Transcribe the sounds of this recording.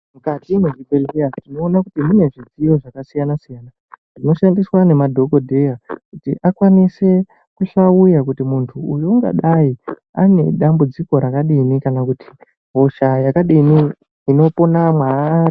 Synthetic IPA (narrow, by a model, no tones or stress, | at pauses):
mukatimeʐibeeatino̞ːnakutimune̞ʐid͡zijo̞ʐakasijanasijana | dino̞ʃandiswanemadʱo̞ɡo̞dʱe̞jakutḭʔakwanise̞ | kuʃaujak̬utimuntʰuːjoŋɡa̰ɗai | a̰ne̞̰ɗambud͡ziko̞ɾakaɗinikanakuti̥ | ɦo̞ʃajakaɗini | ino̞po̞namwa